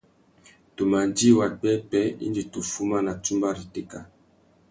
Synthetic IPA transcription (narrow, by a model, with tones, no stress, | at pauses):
to˨ma˨nd͡ʒi˦˨wa˨k͡pɛ˦pɛ˦ḭ˦ndi˨tu˨fu˦ma˦na˨tu˦mba˦ɾi˨te˦ka˨